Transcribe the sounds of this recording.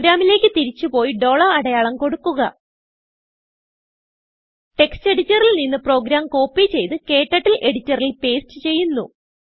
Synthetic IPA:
ɾaːmile̞ːkʲːɨt̪iɾit͡ɕːupo̞ːjiɖo̞ːɭɐrɐɽɐjaːɭɐmko̞ɽukːuɣɐ | ʈe̞kste̞ɽitːɐrilninːɨpro̞ːɡɾaːmko̞ːpːit͡ɕe̞jt̪ɨke̞ːʈːɐʈːilʔe̞ɽitːɐrilpe̞ːst͡ɕːɨt͡ɕe̞jːunːu

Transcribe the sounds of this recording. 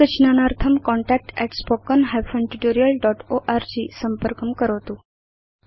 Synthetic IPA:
ət͡ɕnanaɾt̪ʰəmkɔɳʈæk̚ʈɛʈspɔkənɦajfəɳʈuʈoɾijəlɖɔʈoʔaɾd͡ʑisəmpəɾkəmkəɾəʋt̪u

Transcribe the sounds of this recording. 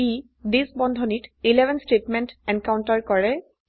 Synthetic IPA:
i | disbɔnd̪ʱɔnitilɛbʱɛnsʈetmɛntɛnkawntaɹkɔɹɛ

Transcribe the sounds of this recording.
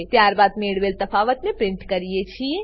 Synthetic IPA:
t̪jaːɾbaːd̪meːɽʋeːlt̪ɐfaːʋət̪mẽpɾɪ̃ɳʈkɐɾijet͡ʃʰie

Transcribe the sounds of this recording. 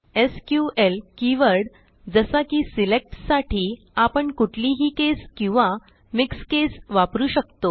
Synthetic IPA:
eskjuelkiʋəɾɽ | d͡zəsakiːsilek̚ʈsaʈʰiː | apəɳkuʈʰliɦiːkeskĩw̃ʋa | mikskesʋapɾuːɕəkt̪o

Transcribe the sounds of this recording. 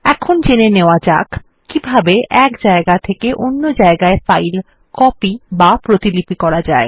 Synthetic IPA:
ɛkʰond͡ʑeneneoad͡ʑa̰k | kːibʱabeʔɛkd͡ʑaeɡat̪ʰekeʔonːod͡ʑaeɡaefajl | kɔpibapɾot̪ilipikɔɾad͡ʑae

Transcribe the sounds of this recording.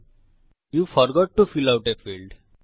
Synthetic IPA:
juːfɔɾɡɔːʈːufiːlaʊʈefiːlɖ

